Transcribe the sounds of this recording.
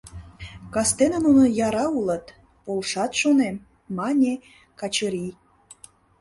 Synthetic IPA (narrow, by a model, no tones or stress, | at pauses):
kɑst̪enə̆nunŏjɑɾɑulə̆t̪ | polʃɑt̪ʃonem | mɑnʲe | kɑt͡ɕə̆ɾi